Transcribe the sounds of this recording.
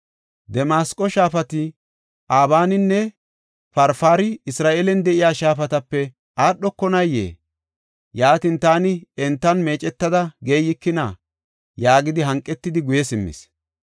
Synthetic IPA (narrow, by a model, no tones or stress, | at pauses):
d̪ɛmaːskʼɔʃaːfɐt̪ɪ | ʔaːβaːnɪnːɛ | fɐɾfaːɾɪɪsɾaːʔelɛnd̪ɛʔɪjaːʃaːfɐt̪ɐpːɛ | aːɗːɔkːɔnɐjːḛː | jaːt̪int̪aːnɪɛnt̪ːɐnme̞ːt͡ʃʼɛt̪ːɐd̪ɐɡeːjɪkːɪnɐ | jaːɡɪd̪ɪɦɐŋkʼːɛt̪ːɪd̪ɪɡʊjɛsɪmːɪ̰s